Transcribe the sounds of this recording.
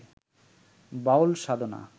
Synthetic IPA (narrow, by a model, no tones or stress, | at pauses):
baolʃad̪ona̰